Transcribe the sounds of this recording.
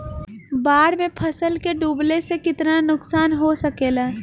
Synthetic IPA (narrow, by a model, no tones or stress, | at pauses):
baːɽmẽpʰɐsəlkeɖuːblesekɪt̪nanʊksaːnɦosɐkeːlaː